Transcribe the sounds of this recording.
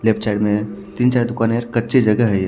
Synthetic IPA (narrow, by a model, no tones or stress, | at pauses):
leːpʰt͡ʃaɪɖmẽ | t̪iːnt͡ʃaːɾd̪ʊkaːneəɾkɐtːʃʰed͡ʒɐɡəɦɛje